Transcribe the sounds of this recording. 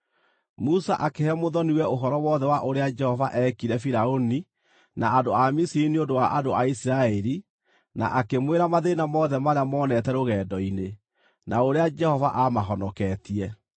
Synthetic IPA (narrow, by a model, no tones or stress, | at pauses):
musaʔakehɛmoðɔniwɛoɦɔɾɔwɔðɛwaʔoɾead͡ʒɛhɔva̰ʔɛkiɾɛfiɾaoni | naːdoamisiɾiniondowaʔadoaisiɾaɛɾi | na̰ʔakemweɾamaðenamɔðɛmaɾeamɔːnɛtɛɾoɣɛdɔine | nʔaoɾead͡ʒɛhɔvaʔamaɦɔnɔkɛtiɛ